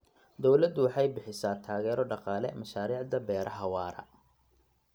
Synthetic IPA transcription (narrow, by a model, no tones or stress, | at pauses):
d̪ɔwlɐd̪ʊwɑħɑjbɪħɪsaːt̪ʰaːɣɛːɾɔɖɑqɑːlɛ̰mɐʃaːɾiːʕd̪ɐbɛːɾɐħɐwɑːɾɐ̰